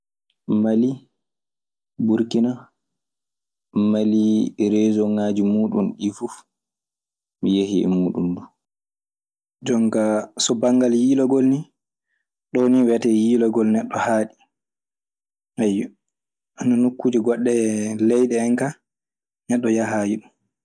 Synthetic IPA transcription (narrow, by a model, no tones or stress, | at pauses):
mali | buɾkina | maliɾeːzɔŋaːd͡ʒimuːɗunɗifuf | mijehiɛ̰muːɗumdu | d͡ʒɔŋɡasɔbaŋɡaljiːlɔɡɔlni | ɗɔniwɛtɛjiːlɔɡɔlnɛɗːɔhaɗi | aj | ananokːuːd͡ʒɛɡɔɗːɛlɛjɗɛɛŋka | nɛɗːɔjaɦajiɗum